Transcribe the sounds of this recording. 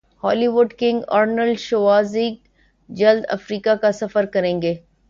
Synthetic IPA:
hɔːliʋʊɖkɪ̃ŋɡa̰ːɾnəlʃoʋaːziːk | d͡ʒɐld̪ɐ̰fɾiːkakasɐfəɾkɐɾẽːŋɡeː

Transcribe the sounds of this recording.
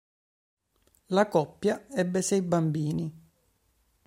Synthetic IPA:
lakɔpːjaɛbːesɛjbambiːni

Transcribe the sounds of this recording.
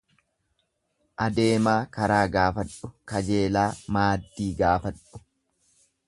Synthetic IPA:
ʔɐd̪e̞ːmaːkɐɾaːɡaːfɐᶑʊkɐd͡ʒe̞ːlaːmaːd̪ːiːɡaːfɐᶑʊ̥

